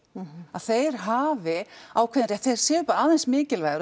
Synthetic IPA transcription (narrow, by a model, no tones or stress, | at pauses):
aðθejɾ̥ɦaːvɪawkʰvɛðɪɾɛθeɾ̥sɛːʏpaːɾaaːðɛnsmɪːcɪlvajɣʏɾ